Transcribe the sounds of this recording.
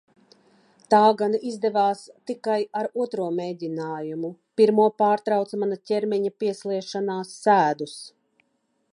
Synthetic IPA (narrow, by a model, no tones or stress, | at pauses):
t̪aːɡanizd̪ɛvaːst̪ikajaɾuɔt̪ɾuɔmeːd̪ʲinaːjumupiɾmuɔpaːɾt̪ɾawt̪smanatʲɛɾmʲiɲapiɛsliɛʃanaːsːæːd̪us